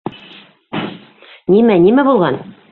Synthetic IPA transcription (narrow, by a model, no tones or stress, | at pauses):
nimænimæbulˠʁɑn